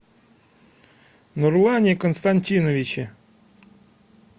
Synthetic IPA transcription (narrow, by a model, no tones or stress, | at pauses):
nurlˠanʲɪkənst̪anʲtʲinəvʲɪt͡ɕɪ